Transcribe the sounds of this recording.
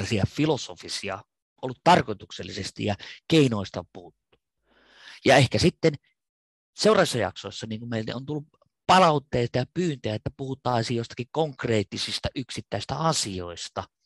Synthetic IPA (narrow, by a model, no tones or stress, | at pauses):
ɑsiɑfilosofisiɑ̰ | ʔolːut̪t̪ɑrkoit̪ukselːisest̪ḭjjɑkeinoˑist̪ɑpuhut̪ːu̥ | jɑehkæsit̪ːen | seurɑisːɑjɑ̰ksoˑisːɑniːŋkummeˑil̰o̰nt̪ulːup | pɑlɑut̪ːeːst̪ɑjɑpyːnt̪øæet̪ːæpuhut̪ˑɑˑisijoˑst̪ɑ̥kikkoŋkreːt̪ːisist̪ɑʔyksit̪ːæˑist̪æɑsio̰ist̪ɑ